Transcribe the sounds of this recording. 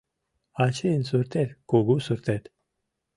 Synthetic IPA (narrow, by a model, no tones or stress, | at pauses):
at͡ʃʰensuɾt̪ʰeɾkuɡusuɾt̪ʰet̪